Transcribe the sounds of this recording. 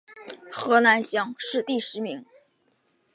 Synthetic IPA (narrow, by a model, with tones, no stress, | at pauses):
xɤ˧˥na˧˥nɕjɑ˥˩ŋʂɻ̩˥˧t̪i˥˩ʂɻ̩˧˥mi˧˥ŋ